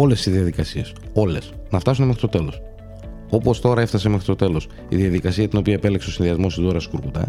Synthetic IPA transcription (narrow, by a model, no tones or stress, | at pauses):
o̞le̞sizðiɐðikɐsie̞so̞le̞snɐft̪ɐsunee̞xɾi̥t̪o̞t̪e̞lo̞s | o̞po̞st̪o̞ɾɐe̞ft̪ɐse̞me̞xɾi̥t̪o̞t̪e̞lo̞s | ḭðiɐðikɐsiɐt̪ino̞piɐepe̞lekseo̞sinðiɐzmo̞st̪izo̞ɾɐsi̥kuɾkut̪ɐ̰